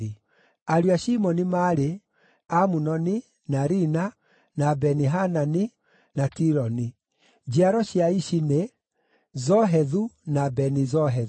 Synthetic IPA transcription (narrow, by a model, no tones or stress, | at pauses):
i | aɾuaʃimɔnimaɾe | amunɔni | naɾina | nabɛniɦanani | natiɾɔni | d͡ʒiaɾɔʃiaiʃine | zɔɦɛðunabɛnizɔɦɛ